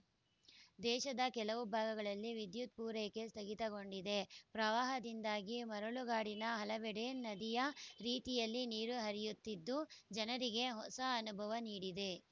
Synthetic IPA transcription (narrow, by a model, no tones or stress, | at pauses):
d̪ɛːʃɐd̪ɐkɛlɐʋubʱaːɡɐɡɐɭɐlːiʋid̪jut̪̚puːɾeke̞st̪ɐɡit̪ɐɡo̞ɳɖid̪e̞pɾɐʋaːɦɐd̪ind̪aːɡimɐɾɐɭuɡaːɽinɐɦɐlɐʋɛɽenɐd̪ijɐɾiːt̪ijɐlːiniːɾuɦɐɾijut̪ːid̪ːud͡ʒɐnɐɾiɡe̞ɦɔsɐːnubʱɐʋɐniːɽid̪e̞